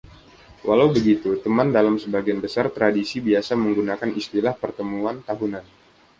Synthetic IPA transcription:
wʔalawbəɡit̪ut̪əmandalamsəbaɡianbəsart̪ɾadisibiasaməŋɡunakanist̪ilahpərt̪əmuant̪aɦunan

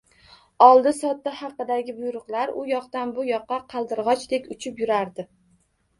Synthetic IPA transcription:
ɒlˠd̪ɪsɒt̪ːahɑqːɨd̪aɡʲɪbʊjɾʊqlˠaɾʊ̰jɒqt̪anbʊjɒqːɑqʰɑlˠd̪ɪɾʁɒt͡ʃd̪e̞kʲʊt͡ʃʰɪpjʊɾaɾd̪ɪ

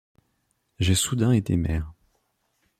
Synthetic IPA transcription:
ʒesud̪ɛ̃et̪emɛːʁ

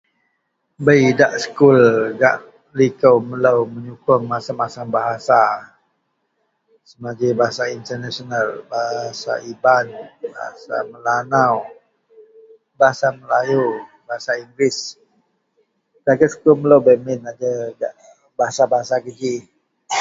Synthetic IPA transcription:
bəjdaʔsə̥kulɡa̰ʔ | likəwmələwməɲukʊŋmasamasaŋbaɦasa | səmaɡabaɦasaint̪ərnasionalbaɦsa̰ibanbaɦa̰sa̰məlanaw | baɦasaməlajubaɦasaiŋɡɾɪs | daɡəsə̥kʊlmələwbəmɪnad͡ʒəɡaʔ | baɦasabaɦasaɡəd͡ʒi

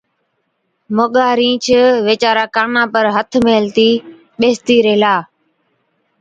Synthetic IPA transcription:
moɠaːɾĩːt͡ʃʰəʋeːt͡ʃaːɾaːkaːnãːpəɾɦət̪ʰmeːlt̪iː | ɓeːst̪iːɾeːlaː

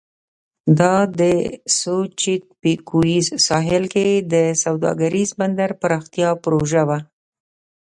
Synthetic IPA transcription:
d̪ɑd̪əsot͡ʃit̪̚pikuizsɑɦɪlked̪əsawd̪ɑ̰ɡaɾizband̪aɾpəɾɑxt̪ijɑpɾoʒawa

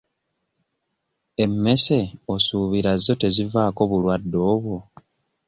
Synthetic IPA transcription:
e̞mːe̞se̞osuːβiɾazːo̞te̞zivaːko̞βulwadːo̞ːβu

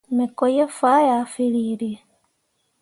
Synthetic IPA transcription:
mekojefajafiliɾi

